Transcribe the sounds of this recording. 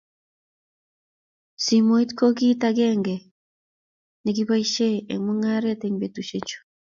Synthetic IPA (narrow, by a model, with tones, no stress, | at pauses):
si˨mo˨i˦tko˦ɡi˦taɡɛŋɡɛ˨ | neɡi˦βa˦i˦ʃe˦ḛ˨mu˦ŋa˦ɾateŋbe˨tu˨ʃet͡ʃu̥˨